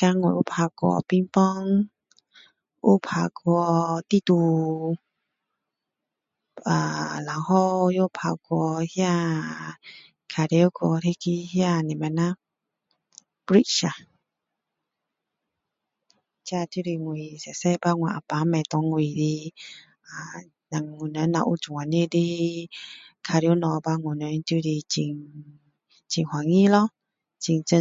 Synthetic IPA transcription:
ka˧˦ŋwɛ˨ʔu˦pʰa˧˨kɔ̰˧˨pĩ˦mpɔ˦ŋ | ʔṵ˦˨pʰa˧˨kɔ˧t̪i˦˨t̪u˧ | a˨la˨whɔ˦˧˦jɔ˦˨pʰa˧kwɔ˧hja˦˧˨ | kʰa˨ɾe˧˦o˦kɔ˧˨tʰe˦ki˧˦hja˦˧˨nĩ˨ma˨nã˦ | pi˦ʃa˨ | tʰja˧˨t̪u˦ɾi˧˨ŋwi˨sɛ˨sɛ˧˨ba˦ŋwã˨ʔa˨pa˨˦mɛ̃˨t̪ɔ˨˧˦ŋwi˨di˧ | a˨ | ɲa˨ŋŋu˨nə˨˦nã˧˨ʔu˦d͡ʒu˨ŋa˨ne˦˨di˦ | kʰa˧˨ɾi˧o˦nɔ˧ba˧ŋu˨nə˨˦n˦t̪u˧˦ɾi˧t͡ɕi˧˨ŋ | t͡ɕi˨ŋhwa˨ŋi˦lɔ˦ | t͡ʃi˨ŋt͡ʃə˧˦

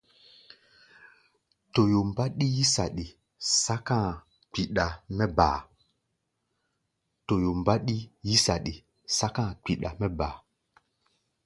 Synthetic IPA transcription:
to˨jo˨m˨ba˦ɗi˦ji˦sa˨ɗi˨ | sa˦kã˦˨ | k͡pi˨ɗa˨mɛ˦ba̰ː˨ | to˨jo˨m˨ba˦ɗi˦ji˦sa˨ɗi˨ | sa˦kã˦˨k͡pi˨ɗa˨mɛ˦baː˨

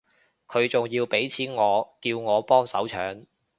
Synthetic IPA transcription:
kʰɵ˨˧ɥt͡sʊ˨ŋjiː˧wpe˨˥jt͡sʰiː˨˥nŋɔː˨˧kiː˧wŋɔː˨˧pɔː˥ŋsɐ̰˨˥wt͡ʃʰœ̰ː˨˥ŋ

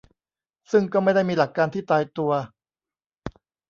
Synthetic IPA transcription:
sɯ˥˩ŋkɔː˥˩ma˥˩jda˥˩jmiː˧la˨˩kːaː˧nt̪ʰiː˥˩t̪aː˧jt̪u˧ɐ

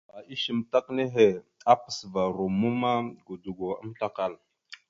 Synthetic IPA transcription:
a˨i˦ʃi˨mta˦kne˦ɦe˨a˦pə̥˨sva˨ɾo˨mu˦ma˦ɡu˨du˨ɡo˨a˦m˦ɬa˦ka˦˨l

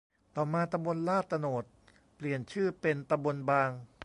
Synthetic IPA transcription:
t̪ɔː˨˩maː˧t̪a˧mbo˧nlaː˥˩t̪ːa˧noː˨˩t̪̚ | pli˨˩ənt͡ɕʰɯː˥˩pe˧nt̪a˧mbo˧nbaː˧ŋ

